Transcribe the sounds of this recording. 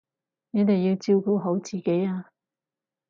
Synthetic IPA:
nɛ˨˥t̪e˨jːi˧wt͡siː˧wku˧wɦo˨˥wt͡siː˨ke˨˥jaː˧

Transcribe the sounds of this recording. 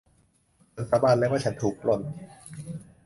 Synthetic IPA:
a˨˩nɾa˧baː˧nlɛː˦˥waː˥˩t͡ɕʰa˦nt̪ʰuː˨˩k̚lo˨˧˩n

